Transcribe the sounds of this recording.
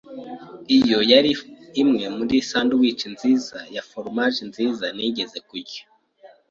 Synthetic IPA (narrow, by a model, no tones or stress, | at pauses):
ijo̞jaɾiːmŋe̞muɾisaːnduwiːt͡ʃinziːzajafoɾmaʒinziːzaniɟe̞ze̞kuɾɟo̥